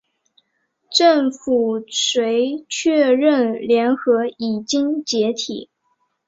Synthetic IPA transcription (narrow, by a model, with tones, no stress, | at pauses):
ʈ͡ʂə˥˩ŋfu˨˩sʰwe˧˥ɪt͡ɕʰɥɛ˥˧ɻə˥˩nljɛ˧˥nxɤ˧˥i˨˩t͡ɕi˥ŋt͡ɕjɛ˧˥t̪ʰḭ˨˩˦